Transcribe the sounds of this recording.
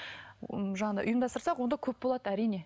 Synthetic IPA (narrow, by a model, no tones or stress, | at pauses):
ʒɑɴɑd̪ɑ̰jʔʊ̰jəmd̪ɑst̪əɾsɑqwo̞nd̪ɑkʲʰɵp̚bolˠɑd̪̥əæɾijne̞